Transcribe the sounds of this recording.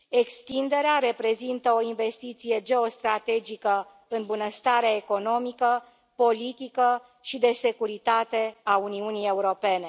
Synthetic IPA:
e̞kst̪ind̪e̞ɾeaɾe̞pɾe̞zint̪əo̞inve̞st̪it̪sije̞d͡ʒe̞o̞st̪ɾat̪e̞d͡ʒikə | ɨnbunəst̪aɾeaeko̞no̞mikə | po̞lit̪ikə | ʃid̪e̞se̞kuɾit̪at̪e̞auniunije̞uɾo̞pe̞ne̞

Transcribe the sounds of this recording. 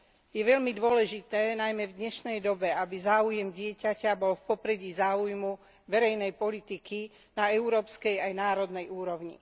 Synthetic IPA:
jɛʋɛʎmid̪ʊɔlɛʒit̪ɛːnajmɛvd̪ɲɛʃnɛjd̪ɔbɛabizaːujɛmɟɪɛcacabɔlfpɔpɾɛɟiːzaːujmu | ʋɛɾɛjnɛjpɔlit̪iki | naɛʊɾɔːpskɛjajnaːɾɔd̪nɛjuːɾɔʊɲḭ

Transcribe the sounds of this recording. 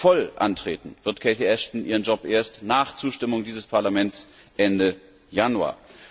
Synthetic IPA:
fɔlʔa̰ntʁ̥ḛːtn̩v̥ɪɐtkʰɛɪtiɛʃtn̩ʔiːʁ̞ənd͡ʒɔpʔeːɐstnaːχt͡suːʃtɪmʊŋdiːzəspʰaɐlamɛnts | ʔɛndə | janua̰ː

